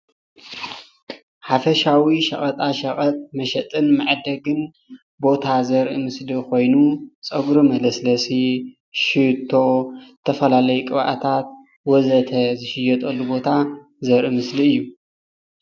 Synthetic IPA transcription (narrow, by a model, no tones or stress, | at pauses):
ħafɐʃawiʃɐχʼɐt̪ʼaʃɐχʼɐt̪ʼmɐʃɐt̪ʼɨnmaʕd̪ɐɡɨn | bo̞t̪ʰazɐɾʔimɨsliko̞jnut͡sʼɐɡɾumɐlɐslɐsi | ʃɨt̪ʰːo̞zɨt̪ʰɐfɐlalɐjukʼɨβʔa̰t̪ʰat̪̚ | wɔzɐt̪ʰɐzɨʃɪjɐt̪ʼɐlːubo̞t̪ʰa | zɐɾʔimɨsliɨjːu